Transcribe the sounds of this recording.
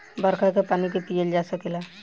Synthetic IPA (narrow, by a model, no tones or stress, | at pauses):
bəɾkʰakepaːnikepijeld͡ʒasəkela